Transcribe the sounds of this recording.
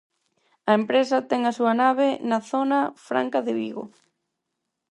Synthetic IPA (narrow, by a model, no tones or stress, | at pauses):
ɐempɾesɐt̪ɛŋɐsuɐnaβenɐθonɐfɾa̰ŋkaðɪβiɣo̰